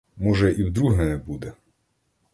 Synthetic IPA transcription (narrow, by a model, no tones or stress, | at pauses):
mɔʒɛʔiwd̪ɾuɦɛnɛbud̪ɛ